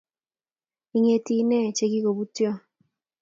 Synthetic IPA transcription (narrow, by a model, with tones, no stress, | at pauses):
i˨ŋe˨ti˨nɛ˦˨t͡ʃe˨ɡi˦ko˨βu˦tjɔ˦